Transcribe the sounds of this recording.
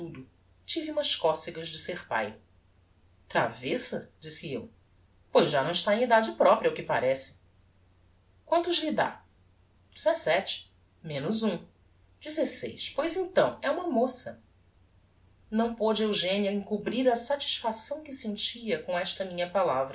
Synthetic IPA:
t̪ud̪ʊ | t͡ʃiviũmɐʃkɔsɪɡɐzd͡ʒɪseχpa̰j | t̪ɾa̰vɛsɐd͡ʒisɪew | pojzʒanɐ̃w̃ɪʃt̪aẽid̪ad͡ʒɪpɾɔpɾiɐʊkɪpaɾɛsɪ̥ | kwɐ̃nt̪ʊʒlid̪a̰ | d͡ʒizesɛt͡ʃɪ̥ | mẽnʊzũ | d͡ʒizesḛjʃpojzẽt̪ɐ̃w̃ɛũmɐmosɐ | nɐ̃w̃pod͡ʒɪewʒẽniɐẽŋkubɾiɾɐsat͡ʃi̥ʃfasɐ̃w̃kɪsẽnt͡ʃiɐkõɛʃt̪ɐmĩɲɐpalavɾɐ

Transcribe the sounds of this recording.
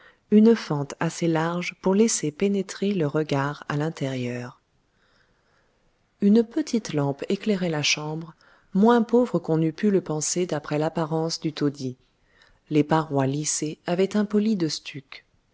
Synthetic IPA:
ynfɑ̃t̪aselaʁʒpuʁlesepenet̪χeləʁəɡaʁa̰lɛ̃t̪ɛʁjœːʁ | ynəpət̪ʰit̪lɑ̃pekleʁɛlaʃɑ̃bʁ | mwɛ̃povʁəkɔ̃nypyləpɑ̃sed̪apχɛlapaʁɑ̃sd̪yt̪od̪i | lepaʁwaliseavɛt̪ɛ̃pɔlid̪əst̪ʰyk

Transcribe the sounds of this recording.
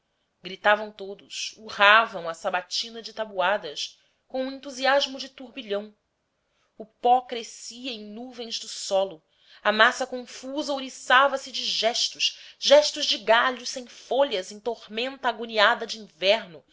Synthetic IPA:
ɡɾit̪avɐ̃w̃t̪od̪ʊsuhavɐ̃w̃ɐsabat͡ʃinɐd͡ʒɪt̪abuad̪ɐs | kõw̃ũẽnt̪uziaʒmʊd͡ʒɪt̪uɾbiʎɐ̃w̃ | ʊpɔkɾesiɐẽj̃nuvẽj̃zd̪ʊsɔlʊ | ɐmasɐkõfuzɐoɾisavɐsɪd͡ʒɪʒɛʃt̪ʊʃʒɛʃt̪ʊzd͡ʒɪɡaʎʊsẽj̃foʎɐzẽj̃t̪oʁmẽnt̪aːɡuniad̪ɐd͡ʒɪĩŋvɛɾnʊ

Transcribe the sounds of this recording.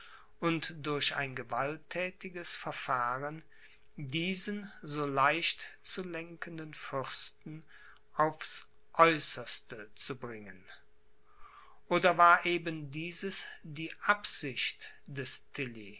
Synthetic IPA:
ʔʊntd̥ʊɐça̰ɪnɡəvaltʰːɛːtɪɡəsfɛɐfaːʁən | diːzənzoːlaɪʃtt͡sulɛŋkəndənfʏʁstn̩ | ʔaʊfs | ʔɔʏsɐstət͡subʁɪŋən | ʔoːdɐvaːɐʔeːbəndiːzəsd̥iːʔapz̥ɪçt | d̥ɛstʰɪli

